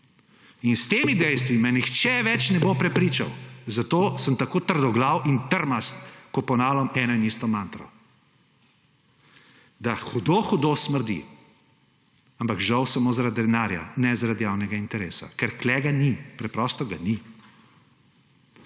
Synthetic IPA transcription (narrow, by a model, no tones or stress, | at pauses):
inst̪eːmid̪ɛjst̪ʋimɛnixt͡ʃɛʋɛt͡ʃnɛbopɾɛpɾiːt͡ʃa̰wzat̪oːsəmt̪akoːt̪əɾd̪ɔɡlawʔint̪əɾmast̪kɔpɔnaːlɔmɛːnɔinist̪ɔmant̪ɾɔ̰ | d̪axud̪oxud̪osməɾd̪ḭ | ampakʒɐwsamoːzaɾad̪ɾɛnaːɾja̰nɛzaɾad̪jaːwnɛɡaint̪ɛɾeːsa̰kɛɾklɛːɡanipɾɛpɾɔst̪ɔɡani